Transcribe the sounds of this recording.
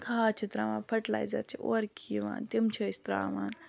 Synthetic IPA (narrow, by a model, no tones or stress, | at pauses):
kʰaːt͡ʃʰit̪ɾaːʋaːnfʰɐʈla̰ːjzɐ̰ɾt͡ʃʰiʔoɾkʰiːʋa̰ːnt̪imt͡ʃʰɐist̪ɾa̰ːʋaːn